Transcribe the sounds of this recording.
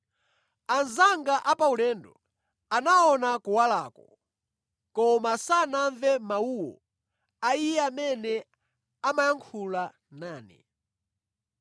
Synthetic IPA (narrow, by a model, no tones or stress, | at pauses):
anzaŋɡaʔapaulɛːndɔ̰ | anaɔnakuwalaːkɔ | kɔmasanaɱvɛmauwɔ̰ | aijɛamɛnɛ | amajaŋkʰula | naːnɛ̰